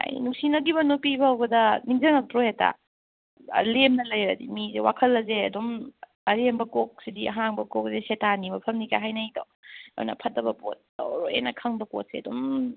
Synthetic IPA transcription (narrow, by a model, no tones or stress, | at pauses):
ha̰jḭnuŋsinɐɡibɐnopibɐhɐwbɐdɐniŋzɐŋɐk̚tɾojeta̰ | lemnɐlɐjɾɐdimizewakʰɐlːɐzeɐdom | ɐɾembɐkok̚sidiɐɦaŋbɐkok̚zesetanimɐpʰɐmnikaɦajnɐjto̰w̰nɐ̰pʰɐt̚ɐbɐpo̰t̚dɐ̰wɾojenɐkʰɐŋbɐko̰t̚seɐdom